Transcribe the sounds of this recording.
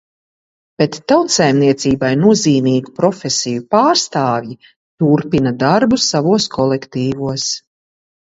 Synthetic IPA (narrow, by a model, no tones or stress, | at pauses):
b̥et̪ːawt̪sajmniɛt̪siːbajnuɔziːmiːɡupɾɔfʲesijupaːɾst̪aːvji | t̪uɾpinad̪aɾbusavuɔskʰɔlɛkt̪iːvuɔs